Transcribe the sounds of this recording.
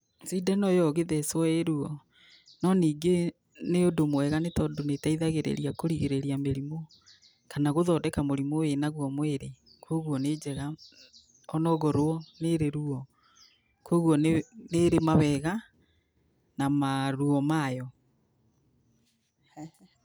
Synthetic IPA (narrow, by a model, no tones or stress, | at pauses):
sidɛnɔjɔɣeðɛswɔeɾuɔ | nɔniːɡe | neodomwɛɣanetɔdonetaiðaɣeɾḛɾiakoɾiɣeɾeɾiameɾimo | kanaɣoðɔːdɛkamoɾimowenaɣwɔmweɾe | kʰwoɣwɔned͡ʒɛɣa | ɔnɔɣɔɾwɔneɾeɾuɔ | kwoɣwɔneneɾemaβɛɣa | namaɾuɔmajɔ